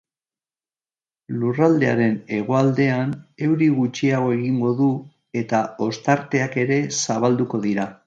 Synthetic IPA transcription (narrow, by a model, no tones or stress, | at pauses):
lurald̪e̞aɾe̞ne̞ɣ̞o̞ald̪e̞ane̞wɾiɣut͡ʃiaɣ̞o̞e̞ɣiŋɡo̞ðu | e̞t̪ao̞st̪aɾt̪e̞ake̞ɾe̞saβald̪uko̞ðiɾa